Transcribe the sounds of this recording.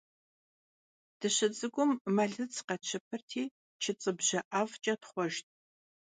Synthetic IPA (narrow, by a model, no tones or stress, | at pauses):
d̥ɨɕɪt͡sʼɨɡʷʊmːɐɮɨt͡sʰqɐt͡ʃʰɪpʰɐrtʰiː | t͡ʃʰɪt͡sʼɨbʑɐʔavt͡ʃʼɐtχʷɔʒt̚ʰʼ